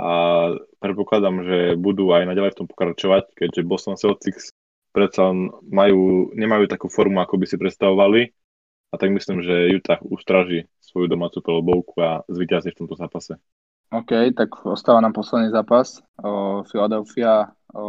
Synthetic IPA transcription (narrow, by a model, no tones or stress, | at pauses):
ʔapɾɛt̪̚pɔklad̪amʒɛbud̪uajnaɟalɛjft̪ɔmpɔ̥kɾat͡ʃɔʋackɛɟʒɛbɔsɔnsɛlt͡siks | pɾɛt̪t͡salɛnmajuːɲɛmajuːt̪akuːfɔɾmuakɔbisipɾɛt̪st̪aʋɔʋali | at̪aɡmislimʒɛjut̪ʰaxust̪ɾaʒi | sʋɔjud̪ɔmaːt͡supɛlɔbɔʊkuazʋiːcazift̪ɔmt̪ɔzaːpasɛ | ɔːkɛjt̪akɔst̪aːʋaːnaːmpɔslɛd̪niːzaːpas | filad̪ɛlfia